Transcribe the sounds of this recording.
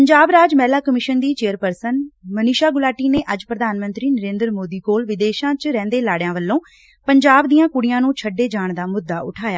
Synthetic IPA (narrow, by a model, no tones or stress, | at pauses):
pəɲd͡ʒaːbɾaːd͡ʒmɛːlaːkəmɪʃənd̪iːt͡ʃeːəɾpəɾsənmənɪʃaːɡʊlaːʈiːneːʔəd͡ʒpɾəd̪aːnmə̃nt̪ɾiːnəɾẽːnd̪ɾmoːd̪iːkoːlʋɪd̪eːʃãːt͡ʃɾɛ̃ːnd̪eːlaːɽejãːʋəlːõː | pəɲd͡ʒaːbd̪ijãːkʊɽɪjãːnũːt͡ʃʰəɖeːd͡ʒaːɳd̪aːmʊd̪ːaːʔʊʈʰaːjaː